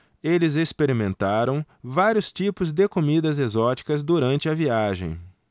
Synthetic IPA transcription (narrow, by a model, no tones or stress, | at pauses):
elɪzespeɾimẽnt̪aɾɐ̃w̃ | vaɾjʊst͡ʃipʊzd̪ɪkomid̪ɐzezɔt͡ʃi̥kɐzd̪uɾɐ̃nt͡ʃɪɐviaʒḛ̃j̃